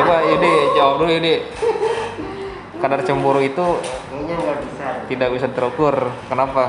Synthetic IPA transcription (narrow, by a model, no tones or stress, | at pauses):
apajudid͡ʒaadujudɪ | kadart͡ʃəmbuɾuit̪u | aiat̪idak̚bisat̪əɾuk̪ʊrkənapa